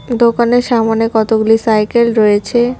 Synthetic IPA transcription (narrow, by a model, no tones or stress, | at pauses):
d̪okaneɾʃamonekɔt̪oɡulisajkelɾɔjet͡ɕʰe